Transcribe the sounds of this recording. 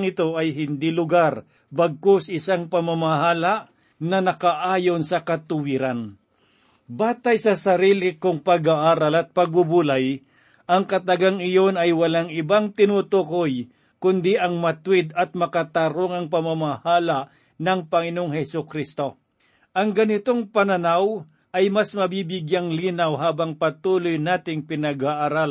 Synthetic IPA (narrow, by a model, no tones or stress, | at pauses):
ŋɪt̪o̞ʔɐjɦɪnd̪ilʊɡaɾ | bɐɡ̚kosɐɪsaŋpɐmamahaːlaʔ | nɐnɐkaʔaːjo̞nsɐkɐt̪ʊwɪɾan | baːt̪ajsɐsɐɾiːlɪkʊŋpɐɡaʔaːɾalɐt̪̚pɐɡ̚bʊbulaj | ʔɐŋkɐt̪ɐɡaŋɪjo̞nɐjwɐlaŋɪbaŋt̪ɪnut̪ukoj | kʊnd̪iʔɐŋmɐt̪wɪd̪ɐt̪̚mɐkat̪ɐɾoŋɐŋpɐmamahaːlaʔ | nɐŋpɐŋɪnoŋhɛsʊkɾist̪o̞ | ʔɐŋɡɐnɪt̪o̞ŋpɐnɐnaw | ʔɐjmasmɐbibɪɡjaŋliːnawɦaːbɐŋpɐt̪uːlojnaːt̪ɪŋpɪnɐɡaʔaɾal